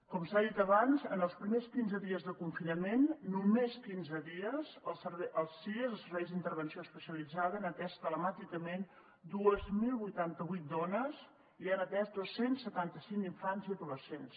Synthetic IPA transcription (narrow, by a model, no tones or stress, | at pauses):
kɔmsaðit̪əβanzənəlˠspɾimeskinzəðiəzðəkuɱfinəmenːumeskinzəðiəzsəβɛʔəlˠziəzəlˠsəɾβɛjzd̪int̪əɾβənsioəspəsiəlid͡zaðəənət̪ɛst̪ələmat̪ikəmen | d̪uəzmilˠβujt̪ant̪əβujt̪̚d̪ɔnəz | ianət̪ɛsd̪osensːət̪ant̪əsiŋiɱfanziðuləsens